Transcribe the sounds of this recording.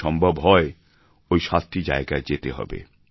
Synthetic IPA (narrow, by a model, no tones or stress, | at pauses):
ɔmbʱobɦɔe | ojʃast̪ʰid͡ʑa̰eɡaed͡ʑet̪eɦɔ̰bḛ